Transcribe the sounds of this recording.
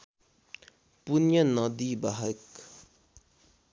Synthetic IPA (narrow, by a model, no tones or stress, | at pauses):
punjənɔd̪ibaɦək